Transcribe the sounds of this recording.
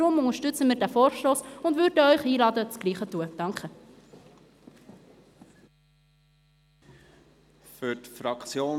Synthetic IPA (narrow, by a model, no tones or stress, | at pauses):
ʊmʊnəʃtʏt͡səmɪːɾdæfɔːɾʃtoːsʊndvʏɾdəœʏχhiːlɑːdət͡sɡ̥liːχətuəd̥ɑŋkχə | fʏtfɾɑkt͡sjoː